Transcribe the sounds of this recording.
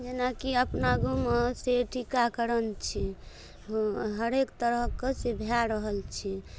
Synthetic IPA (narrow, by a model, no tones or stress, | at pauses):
d͡ʒenakiəpnaɡumeseʈʰikakəɾənt͡ʃʰi | ɦəɾekt̪əɾəɦkesebʱjaɾəɦəlt͡ʃʰi